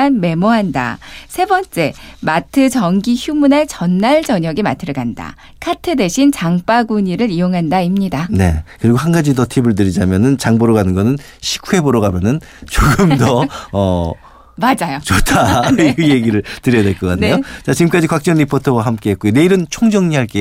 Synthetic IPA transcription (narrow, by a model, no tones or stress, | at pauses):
anme̞moɦanda̰sʰe̞bʌnt͡ɕ͈e̞matʰɯt͡ɕʌŋɡiçjumunaɭt͡ɕʌnːaɭd͡ʑʌɲʌɡimatʰɯɾɯɡanda̰ | kʰatʰɯde̞ɕʰint͡ɕaŋp͈aɡuɲiɾɯɾijoŋɦandaimɲidane̞̰kɯɾiɡohɦanɡad͡ʑidʌtʰibɯɭt̬ɯɾid͡ʑamjʌnɯnt͡ɕaŋboɾoɡanɯnɡʌnɯn | ɕʰi̥kʰue̞boɾʌɡamjʌnɯn | t͡ɕoɡɯmdʌʌ | mad͡ʑajot͡ɕotʰaiɯje̞ɡiɾɯɭtɯɾijadweɭk͈ʌk͈anːejot͡ɕat͡ɕiɡɯmk͈ad͡ʑikwak̚t͡ɕ͈ʌŋɾipʰotʰowaɦamk͈e̞ɦet̚kujone̞iɾɯnt͡ɕʰoŋd͡ʑʌŋɲiɦaɭk͈e